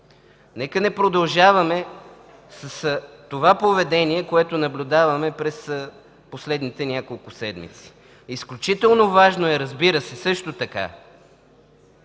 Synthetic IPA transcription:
nɛkənɛpɾod̪ɐlˠʒavɐmɛ | sɐst̪ovapovɛd̪ɛniɛkoɛt̪onɐblʲud̪avɐmɛpɾɛs | poslɛd̪nit̪ɛnʲakolˠkʊsɛd̪mḭt̪si̥ | isklʲut͡ʃit̪ɛlˠnovaʒnoɛɾɐzbiɾəsɛsɤʃt̪ot̪ɐka̰

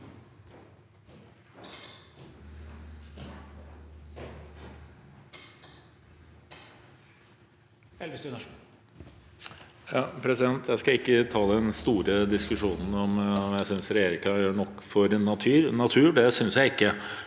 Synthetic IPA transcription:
ɛls | jɑːpʰɾɛsɪd̪ɛnt̪ʰjæɪskɑɪkːət̪ʰɑːləɛnst̪uːɾəd̪ɪskʉʂuːnn̩ɔmmjæɪsʏnsɾɛjeːɾɪŋkɑɳɔkːfɔɾnɑt̪ʰyːɾnɑt̪ʰʉːɖɛsʏnsjæɪɪkːə

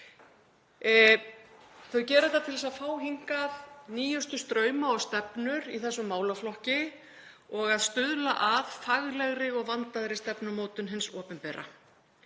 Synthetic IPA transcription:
θœɥcɛːɾʏt̪at̪ʰɪlɛsaðfaːwɦiŋkaðniːjʏst̪ʏst̪ɾœːɥmaɔɣst̪ɛpnʏɾiθɛsːʏmːaːwlaflɔhcɪ | ɔɣaðst̪ʏðlaʔaðfaɣlɛɣɾɪɔɣvant̪aðɾɪst̪ɛpnʏmoːt̪ʏnɦɪnsɔːpʏnpɛːɾa̰

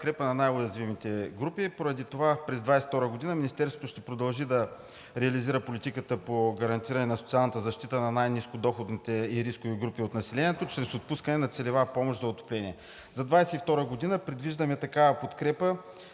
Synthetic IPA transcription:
pot̪kɾɛpənɐnajojɐzvimit̪ɛɡɾupipoɾɐd̪it̪ovapɾɛzd̪vajsɛ̥ft̪ɔɾəɡod̪inəminist̪ɛɾsvot̪oʃt̪ɛpɾod̪ɐlˠʒid̪ɐ | ɾɛɐliziɾəpolit̪ikət̪əpoɡɐɾɐnt̪iɾɐnɛnɐsot̪sialˠnət̪əzɐʃt̪it̪ənɐnajniskod̪ɔxod̪nit̪ɛiɾiskoviɡɾupiot̪nɐsilɛniɛt̪ot͡ʃɾɛsot̪̚puskənɛnɐt̪sɛlɛvapɔmoʃd̪zɐot̪o̥plɛnʲiɛ | zɐd̪vajsɛift̪ɔɾəɡod̪inəpɾɛd̪viʒd̪əmɛt̪ɐkavəpot̪kɾɛpə

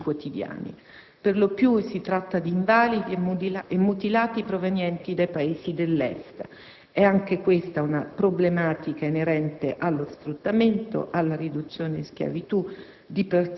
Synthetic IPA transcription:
kwot̪id̪ja̰ːnḭ | perlopjusit̪ɾat̪ːad̪iːɱvaːlid̪iemːut̪ilaːt̪ipɾovenjɛnt̪id̪ajpaeːsid̪elːɛ̰st̪ | ɛaŋk̟ekwest̪aunapɾoblemaːt̪ikaeneɾɛnt̪eʔalːosfɾut̪ːament̪o̰ʔalːaɾid̪ut̪sːjoːnesk̟ja̰vit̪u | d̪iper

